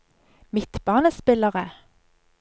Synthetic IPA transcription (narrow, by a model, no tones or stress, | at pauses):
mɪt̪b̥ɑːnəspɪləʁə